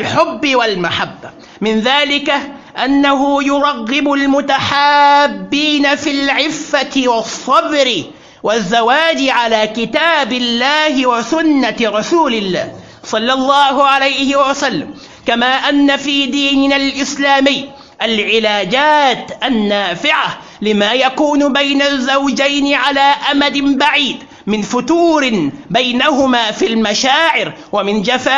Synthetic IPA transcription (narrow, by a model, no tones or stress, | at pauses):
lħʊbːɪwalmaħabːa | mɪnðaːlɪka | ʔanːaɦʊjʊɾˤɑɣːɪbʊlmʊt̪aħaːbːiːnafilʕɪfːat̪ɪwɑsˤːɑbɾɪ | wazːawaːd͡ʒɪʕalaːkɪt̪aːbɪlːaːhɪwasʊnːaɾˤɑsuːlɪlːa̰ːh | sˤɑlːɑlˤːɑːhʊʕalajhɪwasalːa̰m | kamaːʔanːafiːd̪iːnɪnalʔɪslaːmɪjː | ʔalʕɪlaːd͡ʒaːt̪ʔanːaːfɪʕa | lɪmaːjakuːnʊbajnazːawd͡ʒajnɪʕalaːʔamad̪ɪmbaʕiːd̪ | mɪnfʊt̪uːɾɪbajnahʊmaːfilmaʃaːʕɪɾ | wamɪnd͡ʒafaː